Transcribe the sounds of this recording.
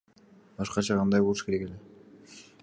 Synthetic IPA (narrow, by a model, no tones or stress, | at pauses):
bɑʃqɑt͡ʃʰɑqʰɑnd̪ɑjbouʃke̞ɾe̞ke̞le